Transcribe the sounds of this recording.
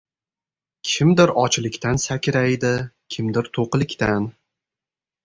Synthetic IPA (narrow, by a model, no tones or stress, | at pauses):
kʲʰɪmd̪ɪɾɒt͡ʃlˠɪkʲt̪ʰansakʲʰɪɾajd̪ɪkʲʰɪmd̪ɪɾt̪ʰoqlˠɪkʲt̪an